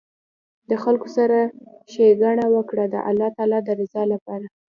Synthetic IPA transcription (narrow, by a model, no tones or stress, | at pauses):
d̪əxalkosaɾaʃeɡaɳawəkɽad̪ə̰ʔa̰lːɑt̪ɑlɑd̪əɾɪzɑlapɑɾa